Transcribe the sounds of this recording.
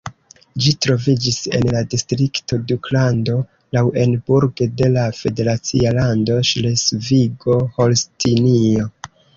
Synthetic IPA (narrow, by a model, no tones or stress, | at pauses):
d͡ʒitɾo̞vid͡ʒise̞̰nladistɾikto̞duklando̞ | lawʔe̞nbuɾɡede̞lafe̞de̞ɾat͡sialando̞ʃlesviɡo̞ho̞lstinio̞